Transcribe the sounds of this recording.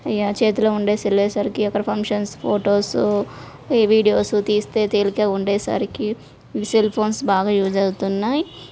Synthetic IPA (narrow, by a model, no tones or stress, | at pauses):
ɐjːat͡ʃe̞ːt̪ulɐːuɳɖeːsilːeːsaːɾikiɔkːɐɾɐpʰɐŋkʂɐnspʰoːʈoːs | ʋiːɖijo̞ːsut̪iːst̪e̞ːt̪eːlikeːuɳɖeːsa̰ːɾiki | selpʰo̞ːnsbaːɡaːjuːd͡ʒɐɡut̪unːaːji